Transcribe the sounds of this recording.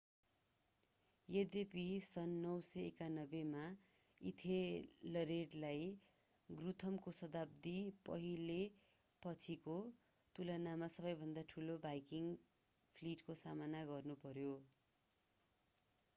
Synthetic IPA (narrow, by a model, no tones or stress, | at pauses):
jed̪episʌnːʌwsʌekanʌbema | ḭt̪ʰelʌɾeɖlaj | ɡrut̪ʰʌmkosʌd̪ab̚d̪ipʌ̰ɦile | pʌt͡sʰiko | t̪ulʌnamasʌbʌjbʱʌnd̪aʈʰulobajkiŋ | pʰliʈkosamanaɡʌrnupʌɾjo